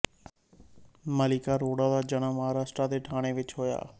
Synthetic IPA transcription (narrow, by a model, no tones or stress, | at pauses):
məlɪkaɾoːɽãd̪aːd͡ʒəɽ̃aːməɦaːɾaːsʈɾad̪eːʈʰaːɽ̃eʋɪt͡ʃɦoːja̰ː